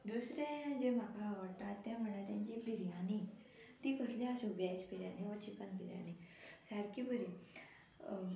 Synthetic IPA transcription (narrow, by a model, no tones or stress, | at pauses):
d̪usɾẽd͡ʑem̤akaːʋəɽt̪at̪ːɛ̃m̤əɽat̪jãɲt͡ɕipiɾjani | t̪iːkəslaasubjat͡ɕpiɾja̰niɔt͡ɕikanpiɾja̰nisaɽkibəɾi